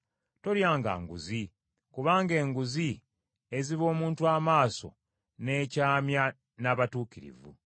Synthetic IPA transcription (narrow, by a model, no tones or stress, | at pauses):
to̞ljaːŋɡa̰ːŋɡṵzi | kuβaːŋɡe̞ːŋɡuzi | e̞ziβo̞ːmuːntuaːmaːso̞̰ | ne̞ːcaːmja | naβatuːkiɾḭvṵ